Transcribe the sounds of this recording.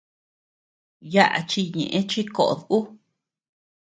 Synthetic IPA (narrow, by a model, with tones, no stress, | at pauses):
ja˦ʔa̰˨t͡ʃi˧ɲḛ̃˨ʔẽ˦t͡ʃi˦ko˨ʔo˨ðu˦